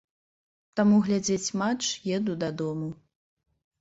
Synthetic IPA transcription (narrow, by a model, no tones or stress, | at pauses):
t̪amuɣlʲad͡zʲet͡sʲmat͡ʂjɛd̪ud̪ad̪ɔmu